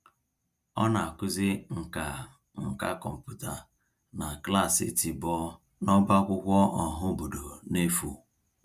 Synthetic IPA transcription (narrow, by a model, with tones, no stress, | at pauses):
ɔ˦na˨a˨kʷʊ˦zɪ˦ŋ̩˨ka˨ | ŋ̩˨ka˦kɔ˨m̩˨pu˦ta˨ | na˨kla˦˨sɪ̰˦ti˨bɔ˦ | nɔ˦ba˦kʷʊ˦kʷɔ˦ɔ˨ɦʊ˦bo˨do˨ne˦fu˨